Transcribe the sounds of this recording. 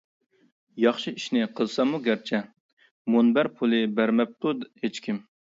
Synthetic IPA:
jɑχʃiiʃnɪqʰəlˠsɑmuɡʲæɾt͡ʃʰɛ | monbæɾpʰulˠɨbæɾmɛp̚t̪ud̪het͡ʃkʲim

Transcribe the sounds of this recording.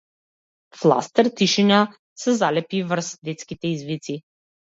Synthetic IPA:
flˠa̰st̪ɛɾt̪iʃina | sɛzalɛpivɾ̩sd̪ɛt̪skit̪ɛizvit̪si

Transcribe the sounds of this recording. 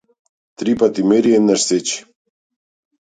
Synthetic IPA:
t̪ɾipat̪imeɾiɛnːaɾset͡ɕi̥

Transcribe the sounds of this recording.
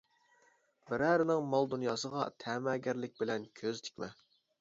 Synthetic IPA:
bɪɾæːɾɪnɪŋmɑlˠd̪unjɑːsəʁɑt̪ʰɛmɛɡʲæɾlɪk̚ʲbɪlɛnkʲʰøzt̪ʰɪ̥kʲmɛ

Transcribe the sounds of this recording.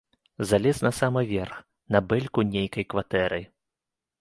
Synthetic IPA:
zalʲɛsnɐsamɨvʲɛrx | nɐbɛlʲkunʲejkɐjkvat̪ɛɾɨj

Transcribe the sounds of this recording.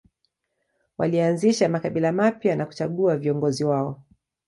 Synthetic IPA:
wa̰lianziʃamakaɓilamapjanaku̥t͡ʃaɠuaviɔŋɡɔziwaɔ

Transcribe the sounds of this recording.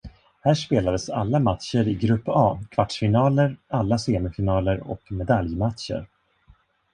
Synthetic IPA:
hæːʂpeːlad̪əsa̰lːamat̪ʃəɾɪɡɾɵpːɑːkʰv̥aʈʂfɪnɑːləɾalːaseːmɪfɪnɑːləɾɔ̰kmɛd̪aljmat̪ʃə̰ɾ

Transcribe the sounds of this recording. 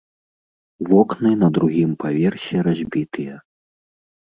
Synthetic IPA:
vɔknɨnɐd̪ɾuɣʲimpʰavʲɛrsʲɛɾazʲbʲit̪ɨjɐ

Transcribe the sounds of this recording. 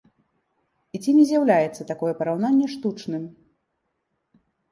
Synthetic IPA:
it͡sʲinʲɛzʲjawlʲajɛt̪sːɐt̪akɔjɛpɐɾawnanʲːɛʂt̪ut͡ʂnɨm

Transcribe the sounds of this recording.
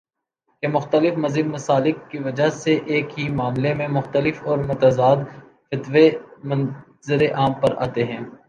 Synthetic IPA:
kemʊxt̪əlɪfmɐzɪb̪mɐsaːlɪkːiʋɐd͡ʒaɦseʔeːkɦimaːmlemẽmʊxt̪əlɪfɔːɾmʊt̪azaːd̪ | fɪt̪ʋemɐ̃n | zɪɾeʔaːmpɐɾʔa̰ːt̪eɦɛ̃ː

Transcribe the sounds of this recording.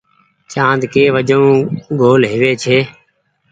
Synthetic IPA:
t͡ʃãːnd̪keːʋəd͡ʒõːɡoːlɦɪʋeːt͡ʃʰeː

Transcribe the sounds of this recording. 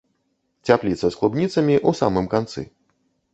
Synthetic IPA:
t͡sʲaplʲit̪sɐsklˠubnʲit̪sɐmʲiʔusamɨmkant̪sɨ̰

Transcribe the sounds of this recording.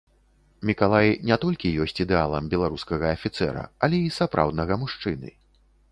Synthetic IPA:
mʲikalˠajnʲɛt̪ɔlʲkʲijɔsʲt͡sʲid̪ɛalˠɐmbʲɛlˠaɾuskɐɣɐːfʲit̪sɛ̰ɾɐ̰ɐlʲɛisapɾʔa̰wd̪nɐɣɐmuʂt͡ʂɨnɨ̰

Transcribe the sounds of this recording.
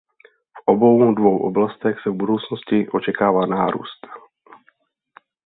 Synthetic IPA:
fʔobo̞wdvo̞wʔo̰blast̪ɛxsɛvbudo̞wt͡snoscɪʔo̞t͡ʃɛkaːvaːnaːɾṵːst̪

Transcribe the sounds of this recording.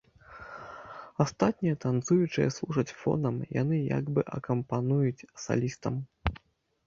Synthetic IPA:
ast̪at̪̚ʲnʲijɛɐt̪ant̪sujut͡ʂɨjɛ̰slˠuʐɐt͡sʲfɔ̰nɐmja̰nɨja̰ɡbɨʔɐ̰kɐmpanujut͡sʲsa̰lʲist̪ɐm

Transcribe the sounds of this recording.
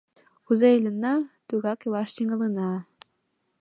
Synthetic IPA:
uzeilʲɘ̆nːɑt̪yɣɑkɤ̆lˠɑʃt̪iŋɤ̆lˠɤnɑ

